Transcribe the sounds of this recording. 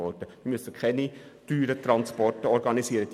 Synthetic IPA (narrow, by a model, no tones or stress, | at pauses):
ɔrtəmɪmøsəkχɛnityːɾətrɑnspɔrtəɔɾɡɑnisiːəɾəd̥